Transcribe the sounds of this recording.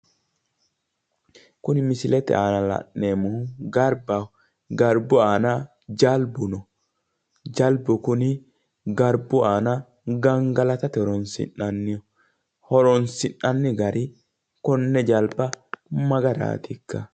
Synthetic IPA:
kʊnɪmɪsɪlɛt̪ɛ̰aːnɐlɐ̰nːeːmʊɡɐɾba | ɡɐɾbʊaːna | d͡ʒɐlbʊnɔ | d͡ʒɐlbʊkʊnɪ | ɡɐɾbʊaːnɐ | ɡɐŋɡɐlɐt̪ɐt̪ɪhɔɾɔnsɪ̰nːɐnːɪjɔ | hɔɾɔnsɪnɐnːɪɡɐɾʔɪ | kɔnːɛd͡ʒɐlbɐmɐɡɐɾa̰ːt̪ɪkːɐ

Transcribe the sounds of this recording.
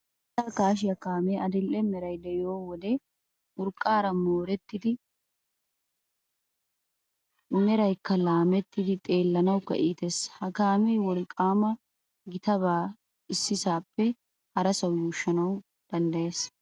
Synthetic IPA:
t̪aːkaːʃ̬ɪjɐkaːmɛɐd̪ɪlʔɛmɛɾɐjd̪ɛjoːwɔd̪ɛ | ʔʊɾkʼːaːɾɐmoːɾɛt̪ːɪd̪ɪ | mɛɾɐjkːɐlaːmɛt̪ːɪd̪ɪt̪ʼe̞ːlːɐnɐwkɐ̰ʔiːt̪eshɐkaːmɛjwɔlɪkʼaːmɐ | ɡɪt̪ɐβaː | ɪsːɪsaːpːɛ | hɐɾɐsɐwjuːʃːɐnɐw | d̪̥ɐnd̪ɐje̞ːs

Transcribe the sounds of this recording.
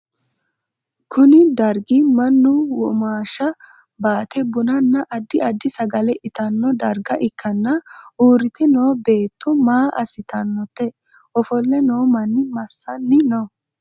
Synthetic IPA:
kʰʊnɪd̪ɐɾɡɪmɐnːʊwɔmaːʃɐ | baːt̪ɛbʊnɐnːɐʔɐd̪ːɪʔɐd̪ːɪsɐɡɐlɛʔɪt̪ɐnːɔd̪ɐɾɡɐʔɪkːɐnːɐuːɾɪt̪ɛno̞ːbe̞ːt̪ːʊmaːʔɐ̰sɪt̪ɐnːɔt̪ːɛ | ɔfɔlːɛnoːmɐnːɪmɐsːɐnːɪnɔ

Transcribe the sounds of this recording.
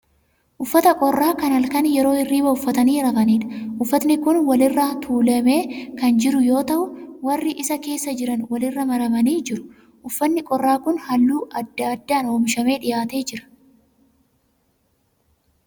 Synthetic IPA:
ʔʊfːɐt̪ɐkʼɔrːaːkɐnɐlkɐnjɛɾo̞ːɪrːiːbɐʊfːɐt̪ɐniːɾɐɡɐniːᶑɐʔʊfːɐt̪nɪkʊnwɐlɪrːɐt̪ʰuːlɐme̞ːkɐnd͡ʒɪɾʊjo̞ːt̪ɐʔʊwɐrːɪʔɪsɐke̞ːsːɐd͡ʒɪɾɐnwɐlɪrːɐmɐɾɐmɐniːd͡ʒɪɾʊ̥ | ʔʊfːɐnːɪkʼɔrːaːkʊnhɐlːuːɐd̪ːɐːd̪ːaːno̞ːmɪʃɐme̞ːᶑɪjaːt̪e̞ːd͡ʒɪɾɐ̥

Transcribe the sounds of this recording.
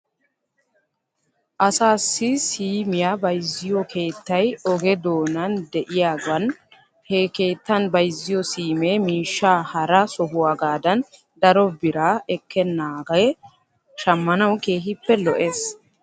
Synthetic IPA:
ʔɐsaːsːɪsiːmɪjaːbɐjzːɪjɔkʰe̞ːt̪ːɐjɔɡɛd̪oːnɐnd̪ɛʔɪjaːɡɐn | hɛke̞ːt̪ːɐnbɐjzːɪjɔsiːmeːmiːʃːaːhɐɾɐsɔɦʊwaːɡaːd̪ɐn | d̪ɐɾɔbɪɾaːɛkʰːɛnːaːɡɐj | ʃɐmːɐnɐwke̞ːɦɪpːɛlɔʔe̞ːs

